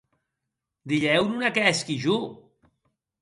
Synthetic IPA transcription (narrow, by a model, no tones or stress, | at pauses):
d̪iʎɛwnunakɛskiʒu